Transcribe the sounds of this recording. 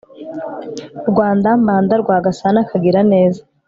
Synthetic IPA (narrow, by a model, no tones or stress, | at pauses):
ɾɡwaːndambaːndaɾɡwaːɡasanakaɡiɾane̞ːzḁ